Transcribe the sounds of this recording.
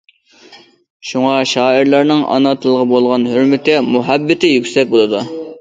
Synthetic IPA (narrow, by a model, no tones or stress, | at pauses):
ʃuŋɑʃɑːiɾlˠɑɾnɨŋʔɑ̰nɑt̪ʰɨlˠəʁəbolˠʁɑnhøɾmɪt̪ɪmuɦɛbːɪt̪ʰɪjykʲsɛk̚ʲbolˠɨd̪u